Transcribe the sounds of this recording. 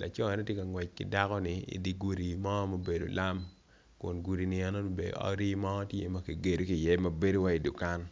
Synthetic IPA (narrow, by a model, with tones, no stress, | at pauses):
la̰˨t͡ʃɔ˦ɛ˨nɛ˦tje˦ka˨ŋwɛ˨t͡ʃ̚kɪ̰˦da˦kɔ˦nɪ˦ḭ˨di˨ɡu˨ɾi˨mɔ˦mo˦be˨do̰˨la˦m | kʊ̰˨nɡu˨ɾi˨nɪ˨ɛ˨no˦˨˦bḛ˨d̰ɔ̰˦ɾi˦mɔ˦tjḛ˦mɐ˦ke˨ɡe˨do˦ki˨jɛ˦mɐ˨be˦do˦wa˦i˨du˨ka˦n